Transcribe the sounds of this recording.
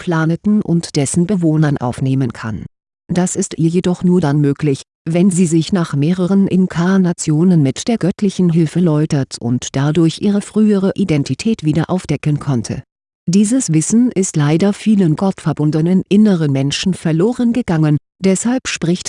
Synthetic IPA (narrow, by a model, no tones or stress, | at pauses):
pʰl̥aːnətn̩ʔʊ̰ntd̥ɛsn̩bəvoːnɐnʔa̰ʊfneːmənkʰa̰n | d̥asɪstʔiːɐjedɔχnuːɐdanmøːklɪç | vɛnziːzɪçnaːχmeːʁəʁ̞ənʔɪnkʰanat͡sjoːnənmɪtd̥eːɐɡœtʰlɪçn̩ɦɪlfəɐlɔʏtɐtʊ̰ntd̥adʊɐçʔiːʁ̞əfʁ̥yːəʁəʔidɛntʰitʰɛːtv̥iːdɐʔaʊfd̥ɛkənkʰɔntʰə̰ | d̥iːzəsv̥ɪsn̩ɪstlaɪdɐfiːlənɡɔtfɛɐbʊndənənʔɪnəʁənmɛnʃn̩fɛɐloːʁənɡəɡaŋən | d̥ɛshalpʃpʁ̥ɪçt